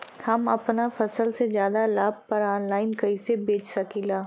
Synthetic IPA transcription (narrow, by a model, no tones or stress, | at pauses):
hɐmɐpnafɐsəlsezjaːd̪alaːb̚pɐɾaːnlaːɪnkɐisebeːt͡ʃsɐkilaː